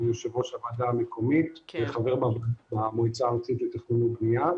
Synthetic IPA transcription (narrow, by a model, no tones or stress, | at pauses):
joʃevoʃamadaːmekʰo̞mit̪eχave̞ʁbabamoit͡saːʁat͡sit̪let̪eχninubnia